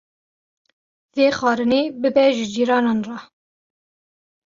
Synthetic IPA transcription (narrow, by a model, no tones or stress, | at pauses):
zeːxɑːɾɨneːbɨbɛʒɨd͡ʒiːɾɑːnɑːnrɑ